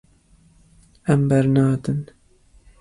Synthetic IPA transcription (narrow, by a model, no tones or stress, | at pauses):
ɛmbɛɾnɑːd̪ɨn